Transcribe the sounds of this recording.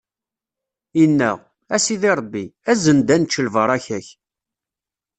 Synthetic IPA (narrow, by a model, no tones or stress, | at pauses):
inːæʁ | æsiðiɾˤəbːiæzənd̪ænt͡ʃːəlvəɾˤæçæç